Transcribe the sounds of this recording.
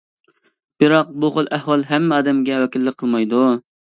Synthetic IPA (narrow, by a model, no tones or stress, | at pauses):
b̥ɪɾɑq̚buqolˠʔɛhwɑlˠɦɛmːɪɑːd̪ɛmɡʲɛwɛkʲɪlːɪqʰːəlˠmɑjd̪u